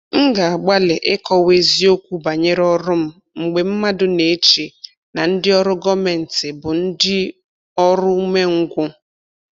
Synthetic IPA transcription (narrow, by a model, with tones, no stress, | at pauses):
ŋ̩˦ɡa˨a˨ɡ͡ba˦lɪ˨ʔɪ˦kɔ˦we˦zi˦o˦kʷu˦ba˨ɲe˦ɾɔ˦ɾʊ˦m̩˦ | ŋ͡m̩˨ɡ͡be˨m̩˦ma˦dʊ˦ne˨˦t͡ʃi˨ | na˨n̩˦dɪ˦ɔ˦ɾʊ˦ɡɔ˦me˨n̩˨tɪ˨bʊ˨n̩˦dɪ˦ | ɔ˦ɾʊ˦u˦me˦ŋ̩˦ɡʷʊ˦